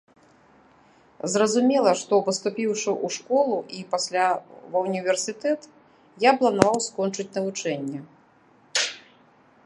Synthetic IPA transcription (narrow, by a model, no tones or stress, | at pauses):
zrɐzumʲɛlˠɐʂt̪ɔpɐst̪upʲiwʂɨʔuʂkɔlˠuʔipasʲlʲavɐwnʲivʲɛrsʲɨt̪ɛt̪ | japlˠɐnavawskɔnt͡ʂɨt͡sʲnɐvut͡ʂɛnʲːɛ